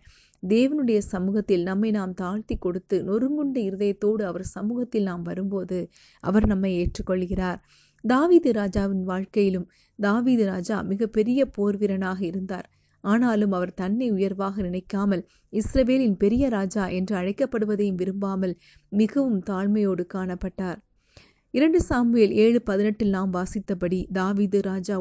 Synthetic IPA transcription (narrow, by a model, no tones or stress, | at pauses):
d̪eːʋɐnɯɽɐjɐsɐmuːɣɐt̪ːɪlnɐmːɐɪnaːmt̪aːɻt̪ikːɔɽɯt̪ːɯnɔɾɯŋɡɯɳɖɐɪɾɯðɐjɐt̪ːoːɽɯɐʋɐɾsɐmuːɣɐt̪ːɪlnaːmʋɐɾɯmpoːðɯ | ʔɐ̰ʋɐɾnɐmːɐɪeːʈrɯkːɔɭːɯɣɪraːɾ | d̪aːʋiːðɯɾaːd͡ʒaːʋɪnʋaːɻkɐjɪlɯm | d̪aːʋiːðɯɾaːd͡ʒa̰ːmɪɣɐpːɛɾɪjɐpoːɾʋɪɾɐnaːɣɐɪɾɯnd̪a̰ːɾ | aːnaːlɯmɐʋɐɾt̪ɐnːɐɪʊjɐɾʋaːɣɐnɪnɐɪkːaːmɐl | ɪsɾɐʋeːlɪnpɛɾɪjɐɾaːd͡ʒaːʔɛndrɯɐɻɐɪkːɐpːɐɽɯʋɐðɐjɯmʋɪɾɯmbaːmɐl | mɪɣɐʋɯmt̪aːɻmɐjoːɽɯkaːɳɐpːɐʈːaːɾ | ɪɾɐɳɖɯsaːmɯjeleːɻɯpɐðɪnɐʈːɪlnaːmʋaːsɪt̪ːɐpɐɽid̪aːʋiːðɯɾaːd͡ʒaː